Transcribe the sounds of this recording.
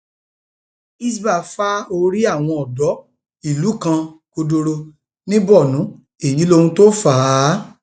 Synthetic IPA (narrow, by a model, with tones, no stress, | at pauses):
i˦s̬ba˦˨fa˦o˧ɾi˦a˦˨w̃ɔ̃˧ɔ˨dɔ˨˦ | i˨lu˨˦kã˧ko˧do˧ɾo˧ | nĩ˦bɔ˦˨nũ˨˦ | e˦˨ji˨˦lo˧hũ˧to˦faː˨˦